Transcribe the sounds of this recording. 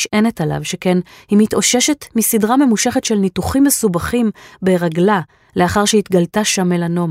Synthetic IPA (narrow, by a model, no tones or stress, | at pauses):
ʃʔene̞tala̰vʃekenhimitʔo̞ʃe̞ʃe̞tmisidʁame̞muʃe̞χetʃelnituχimːe̞subaχimbeʁaɡla | le̞aχaʁʃeit̪ɡaltaʃame̞lano̞m